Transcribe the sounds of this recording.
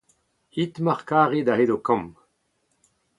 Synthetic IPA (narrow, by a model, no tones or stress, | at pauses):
it̪maʁkaːʁed̪aɦedokɑ̃m